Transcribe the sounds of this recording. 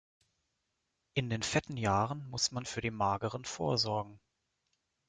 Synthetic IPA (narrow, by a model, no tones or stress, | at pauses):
ʔɪndeːnfɛtn̩jaːʁənmʊsmanfyːɐɾiːnmaːɡəʁ̞ənfoːɐzɔɐɡŋ̩